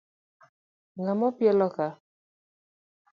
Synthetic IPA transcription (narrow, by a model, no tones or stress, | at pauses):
ŋamɔpjɛlɔka